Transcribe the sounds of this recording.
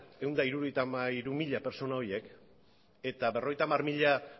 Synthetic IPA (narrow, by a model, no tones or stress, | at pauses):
e̞wnd̪aiɾuɾoejt̪amaiɾumiʎape̞ɾso̞nao̞jek | e̞t̪abe̞ro̞ɣe̞jt̪amarmiʎa